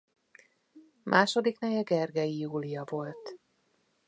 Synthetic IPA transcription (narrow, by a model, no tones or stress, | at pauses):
mʔaːʃo̞d̪iknɛjɛɡɛrɡɛiuːlijɒvo̞lt̪